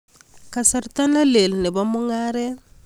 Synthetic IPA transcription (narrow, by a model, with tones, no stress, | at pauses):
kasaɾta˦na˦le˨lne˨bamu˦ŋa˦ɾe˦